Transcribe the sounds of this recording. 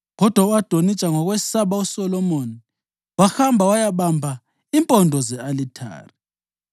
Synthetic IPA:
ɣɔd̥ʱwauwad̥ʱonit͡ʃʼaŋɔɣwessaɓausɔlɔmoːni | waxambʱawajaɓambʱa | impʼɔndʱɔzɛalitʰa̰ːri

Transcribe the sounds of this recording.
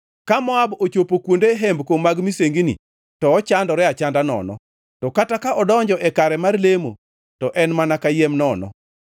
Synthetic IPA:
kamɔabot͡ʃopokwondeɦembkomːaɡmiseŋɡinḭ | tɔːt͡ʃandɔɾɛat͡ʃandanɔ̰nɔ̰ | tɔkatakaʔɔdɔɲd͡ʒɔʔɛkaɾɛmarlemo̰ | tɔʔɛnmanakajemnɔnɔ̰

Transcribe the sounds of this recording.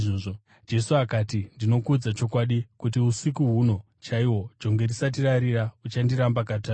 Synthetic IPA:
oːo | d͡ʒe̞suakaːtindino̞kud͡zat͡ʃo̞kwaɗikutiusikuɦuno̞ | t͡ʃaiwo̞d͡ʒo̞ŋɡe̞risat̬iɾaɾiɾaut͡ʃandiɾambakata

